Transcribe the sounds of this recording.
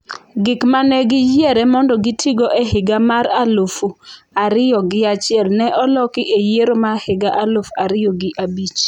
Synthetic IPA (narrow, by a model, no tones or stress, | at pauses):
ɡɪkmanɛɡɪjjeɾɛmɔndɔɡɪtʰiɡɔʔɛɦɪɡamaɾalofu | aɾɪjɔɡɪat͡ʃɪɛlnɛʔɔlɔkɪʔejeɾomahɪɡaʔalofaɾɪoɡɪʔabit͡ʃ